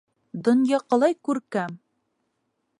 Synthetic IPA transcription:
d̪ŏnjɑqɑ̆lˠɑjkʉɾkæm

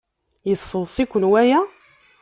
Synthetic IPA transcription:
jəsˤːəðˤsikʷːənwæjæ

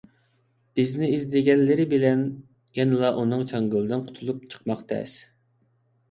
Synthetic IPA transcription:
b̥ɪznɪizd̪ɪɡʲɛnlɪɾɪbɪlɛn | jɛnɨlˠɑʔunɨŋt͡ʃʰɑŋɡʲølˠd̪ɨnqʰʊ̥t̪ʰulˠup̚t͡ʃʰə̥qmɑqt̪ʰɛ̰s

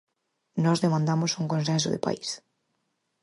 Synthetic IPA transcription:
nɔzðemãnd̪amosuŋkõnsẽns̬ʊðḛpa̰is

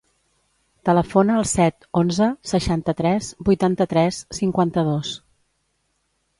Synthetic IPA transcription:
t̪ələfonəːlˠsɛt̪onzəsəʃant̪ət̪ɾɛzbujt̪ant̪ət̪ɾɛsːiŋkwant̪əðos

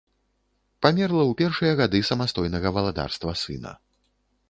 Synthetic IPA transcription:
pamʲɛrlˠɐwpʲɛrʂɨjɐɣad̪ɨsɐmast̪ɔjnɐɣɐvɐlˠad̪a̰rst̪vɐsɨ̰nɐ̰

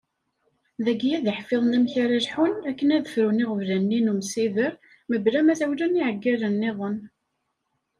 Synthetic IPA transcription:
ðæɡjæðəħfeðˤnæmçaɾalħunækːənæðəfɾuniʁəvlænːinumsiðəɾ | məblæmæθæwlæniʕəɡːilənːeðˤən

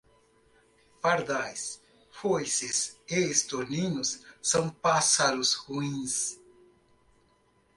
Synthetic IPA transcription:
paɾd̪ajs | fojsesest̪oninusːonpasaɾushuins

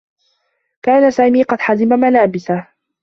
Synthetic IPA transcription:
kaːnasaːmiːqɑd̪ħazɪmamalaːbɪsa

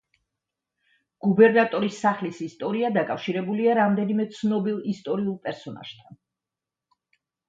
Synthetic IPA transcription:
ɡ̥ubɛɾnat̪ʼɔɾisːaχlisist̪ʼɔɾiad̪akʼafʃiɾɛbuliaɾamd̪ɛnimɛt̪sʰnɔbilˠist̪ʼɔɾiulˠpʼɛɾsɔna̰ʒ̥t̪ʰan

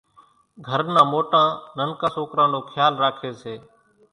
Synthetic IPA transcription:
ɡʱəɾnãːmoːʈãːnənkaːsoːkɾãːnoːkʰjaːlɾaːkʰeːseː

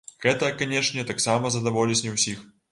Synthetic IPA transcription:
ɣɛt̪ɐkanʲɛʂnʲɛt̪aksamɐzɐd̪avɔlʲisʲnʲɛwsʲix

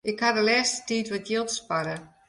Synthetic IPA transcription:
ʔɪkhadəlɛːstə̥tiːtʋɔtjɪlˠtspaɾə

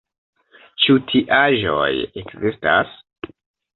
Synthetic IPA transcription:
t͡ʃutʰiʔaʒo̞̰jekzista̰s

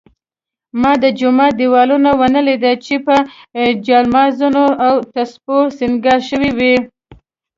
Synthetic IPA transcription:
mɑd̪əd͡ʒʊmɑd̪iwɑlunawanəled̪at͡ʃepəd͡ʒɑlmɑzunoawt̪asposinɡɑʃəwiwi

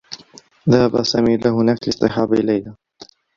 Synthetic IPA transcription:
ðahabasaːmiːlahʊnaːklɪst̪ˤɨħɑːbaʔɪlajhaː

